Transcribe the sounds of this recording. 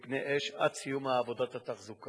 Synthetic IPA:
pneʔeʃad̪̚t͡sijumaːvo̞d̪at̪hat̪aχzuka

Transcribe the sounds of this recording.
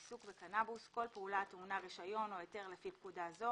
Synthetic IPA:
isukbe̞kanabusko̞lpeulat̪munaʁiʃajo̞nojete̞ʁlefip̚kudazo̞

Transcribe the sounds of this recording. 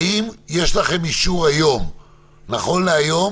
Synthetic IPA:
imje̞ʃlaχe̞miʃuʁajo̞m | naχo̞nleajo̞

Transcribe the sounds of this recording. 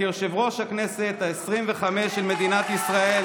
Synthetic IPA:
oʁʃevʁo̞ʃhaknese̞t̪aesʁimveχameʃːelmed̪inat̪isʁae

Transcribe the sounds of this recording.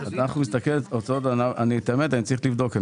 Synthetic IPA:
azanaχnumist̪akelot͡sotanaanit̪emet̪anit͡saʁiχlivd̪o̞ke

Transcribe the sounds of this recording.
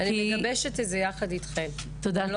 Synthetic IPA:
aniieɡɐbeʃetezejaχadit̪χem | t̪oda

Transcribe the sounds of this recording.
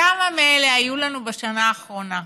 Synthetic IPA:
amameeleajulanubeʃanaːχʁo̞na

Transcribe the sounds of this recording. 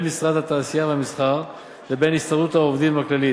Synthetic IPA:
nmisʁad̪hat̪aːsiaveamisχaʁ | vebe̞nist̪aʁdut̪haovd̪imaklali

